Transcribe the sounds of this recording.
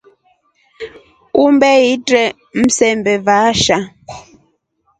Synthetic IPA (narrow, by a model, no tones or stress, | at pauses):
umbɛitɾɛ | m̩sɛmbɛvaʃa